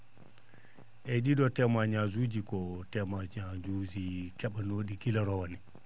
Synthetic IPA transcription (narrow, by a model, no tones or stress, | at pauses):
ʔɛɗiɗɔtɛmaɲazud͡ʒikɔtɛmaɲad͡ʒuzikɛɓanoɗiɡilaɾɔwani